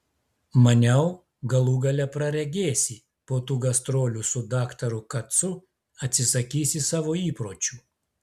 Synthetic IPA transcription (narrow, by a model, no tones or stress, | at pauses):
mɐnʲɛʊ | ɡɐlˠuːɡɐlʲɛpɾɐɾʲɛɡʲeːsʲɪ | poːt̪uːɡɐst̪ɾoːlʲʊsʊd̪ɑːkt̪ɐɾʊkɐt̪sʊ | ɐt̪ʲsʲɪsɐkʲiːsʲɪsɑːʋoːiːpɾoːt͡ʃʲuː